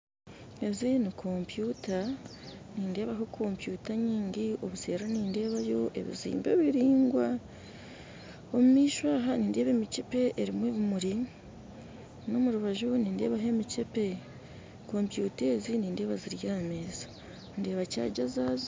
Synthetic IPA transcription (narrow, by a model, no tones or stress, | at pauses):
e̞βizijonikʰo̞mpjuta | niːnde̞ːβaɦokʰo̞ːmpjuːtaɲiːɲɟio̞βuse̞ːɾaniːnde̞ːβajo̞ʔe̞̰βḭzḭːmbeβiɾiːŋɡwa | o̞mumiːʃwaːɦaniːnde̞ːβe̞ːmicepe̞ʔeɾimweːβumuɾi | no̞muɾuβaʒuniːnde̞̰ːβaɦe̞micepe̞ | ko̞ːmpjuːte̞ːziniːnde̞ːβaziɾjiɾame̞ːzḁ | nde̞ːβaca̰ːɟazaz